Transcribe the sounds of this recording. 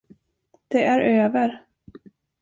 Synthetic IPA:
d̪̥ɛʔæɾøːvəɾ

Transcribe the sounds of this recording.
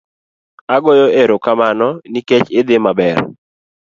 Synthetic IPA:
aɡojoeɾokamanɔniket͡ʃɪd̪emabɛr

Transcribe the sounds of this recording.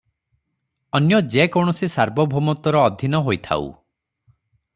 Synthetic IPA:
ɔnjɔd͡ʒekɔɳ̃ɔsisaɾbʱɔbʱomɔt̪ɔɾɔːd̪ʱinɔɦojt̪ʰa̰ṵ

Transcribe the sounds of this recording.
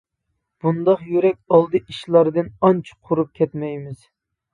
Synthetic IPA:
b̥und̪ɑqjyɾɛkʲɑlˠd̪ɨʔiʃlˠɑɾd̪ɨnɑnt͡ʃʰi̥qʰʊɾup̚kʲʰɛt̪mɛjmɪz̥

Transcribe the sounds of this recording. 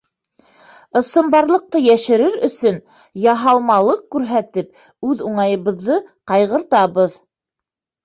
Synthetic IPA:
ɤ̆sɤ̆mbɑɾlˠɤ̆q̚t̪ɤjæʃɘ̆ɾɘɾɵ̆sɵn | jɑɦɑlˠmɑlˠɤqkʉɾɦæt̪ɘp̚ | ʉðuɴɑjɤ̆βɤ̆ðːɤqɑjʁɤ̆ɾt̪ɑβɤð

